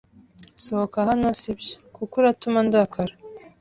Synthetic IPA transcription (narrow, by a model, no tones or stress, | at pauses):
sohokahanosibjo̥kukuɾatumandakʰaɾa